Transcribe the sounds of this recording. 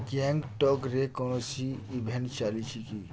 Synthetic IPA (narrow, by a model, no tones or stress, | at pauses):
ɡɛ̃ŋɡʈɔkɾekɔnosiːbʱent͡ʃalit͡ʃʰiki